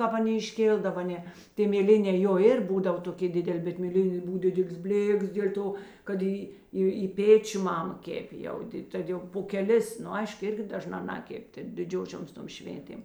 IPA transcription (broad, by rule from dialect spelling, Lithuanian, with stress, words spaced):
ˈkɑːp ɐˈnʲeː ɪʃʲˈkʲeːlˠdɐʋɐ ˈnʲɛ ˈtʲeː mʲeːˈlʲɪnʲɛː joː ˈɪr ˈbuːdɐw toːˈkʲeː ˈdʲɪdʲɛlʲ bʲɛt mʲeːˈlʲɪnʲeː ˈbʊw ˈdʲɪdʲɛlʲeːs ˈbʲlʲeːks dʲeːlʲ ˈtoː kɐt ˈiː ˈiː ɪ ˈpʲeːt͡ʃʲʊ ˈmɑːmɐ ˈkʲæːpʲeː jɛʊ ˈdʲɪt ˈtɐt jɛʊ poː kʲɛˈlʲɪs nʊ ˈɐɪʃk ˈɪrʲɡʲɪ dɐˈʒnɑː ˈnɑːkʲɛpʲ ˈtʲeːk dʲɪˈd͡ʒʲoːʃʲoːms ˈtoːm ˈʃʲʋʲeːnʲtʲeːm